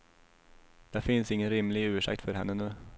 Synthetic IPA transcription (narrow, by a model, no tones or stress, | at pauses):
d̪̥ɛfɪnsɪŋːənɾɪmlɪɡʉ̟ːʂɪ̰kt̪fœɾhɛ̰nːənʉː